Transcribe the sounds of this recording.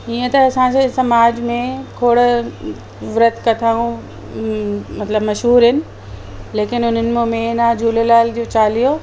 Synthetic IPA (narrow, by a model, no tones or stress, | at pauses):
iːə̃t̪ɐɐsãsesɐmaːd͡ʑmẽkʰoːɽ | ʋɪɾət̪ʰkɐt̪ʰaːũ | mɐt̪ləbmɐʃɦuːɾɦɪnɪ̆ | leːkɪnʊn̤ənɪ̆momẽnad͡ʑʱuːlelaːld͡ʑoːt͡ɕaːlijo